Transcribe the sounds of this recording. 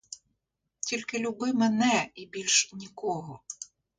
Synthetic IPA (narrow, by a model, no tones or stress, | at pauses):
tʲilʲkɪlʲʊbɪmɛnɛibʲilʲʃnʲikɔɦɔ